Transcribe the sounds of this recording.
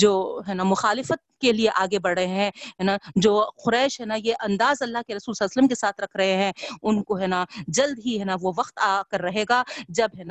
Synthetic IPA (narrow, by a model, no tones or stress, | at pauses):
d͡ʒoːɦɛːnamʊxaːlɪfət̪̚kelieʔaːɡebɐɽɦəɦeɦɛ̃ɦɛːnad͡ʒoːxʊɾɛːɪʃɦɛnajeʔɐ̃nd̪aːzɐlːaɦkeɾɐsuːlsɐlːsələmkesaːt̪ʰɾɐkʰɾɐɦeɦɛ̃ʊnkoɦɛːnad͡ʒɐld̪ɦiɦɛːnaʋoʋɐqt̪aːkɐɾːɐɦeːɡaːd͡ʒɐbɦɛːna